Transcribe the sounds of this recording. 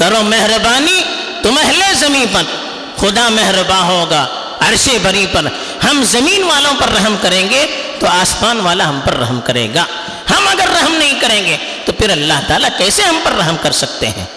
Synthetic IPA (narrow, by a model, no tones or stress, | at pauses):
kɐɾomɛɦɾəbaːni | t̪ʊmɛɦlezɐmĩːnpɐn | xʊd̪amɛɦɾbaɦoːɡaː | ɐɾʃebʱɐɾĩpɐɾ | hɐmzɐmiːnʋaːlõpɐɾːɐɦmkɐɾẽːŋɡe | t̪oaːsmaːnʋaːlaɦɐ̃mpɐɾːɐ̰ɦmkɐɾḛːɡaː | hɐmɐɡəɾːɐɦmnɐɦĩkɐɾẽːŋɡe | t̪opʰɪɾɐlːaɦt̪aːlakɛːseɦɐ̃mpɐɾːɐɦmkɐɾsɐk̚t̪ḛɦɛ̰̃ː